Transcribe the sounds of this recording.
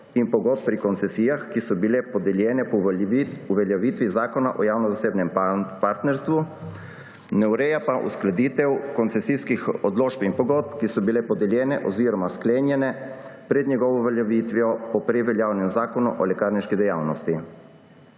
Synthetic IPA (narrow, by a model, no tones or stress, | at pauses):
impɔɡɔt̪̚pːɾikɔnt̪sɛsiːjaxkisɔbilɛpɔd̪ɛljɛːnɛ | uʋɛljaʋiːt̪ʋizaːkɔna̰ʔɔjaːwnɔzaseːbnɛmpaɾt̪nɛɾst̪ʋu | nɛwɾɛjapaʔṵsklad̪iːt̪ɛwkɔnt̪sɛsiːskixɔd̪loːʃpinpɔɡɔt̪̚pkisɔbilɛpɔd̪ɛljɛːnɛʔɔziːɾɔmaskleːnjɛnɛ | pɾɛd̪njɛɡɔʋɔʋɛljaʋit̪ʋɔpɔpɾɛʋɛljaːwnɛmzaːkɔnuʔɔlɛkaːɾniʃkid̪ɛjaːwnɔst̪i